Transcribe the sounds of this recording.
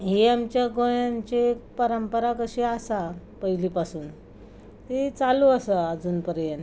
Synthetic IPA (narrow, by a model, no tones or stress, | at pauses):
ɦiamt͡ɕjaɡojãɲt͡ɕekpəɾəmpəɾakəɕiasa | pəiliːpasuːn | ɦet͡saluəsəad͡zuːnpəɾjen